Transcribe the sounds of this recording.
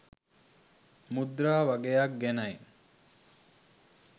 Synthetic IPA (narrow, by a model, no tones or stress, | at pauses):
mud̪ɾaːʋaɡejak̚ɡɛnɐj